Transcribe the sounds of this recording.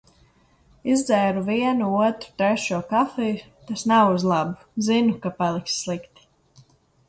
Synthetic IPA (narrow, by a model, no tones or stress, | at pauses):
izd̪zɛːɾuviɛnuuɔt̪ɾu̥t̪ɾɛʃuɔkafɛju | t̪asnawuzlˠabu̥zinukapalˠiksːlˠikt̪i̥